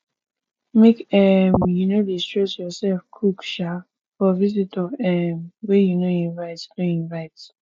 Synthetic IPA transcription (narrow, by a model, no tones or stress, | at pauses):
mekɛmjunodistɹɛsjɔsɛlfkʰukʃa | fɔvizitʰɔvɛmwejunoĩnvaɪtnoĩnvaɪt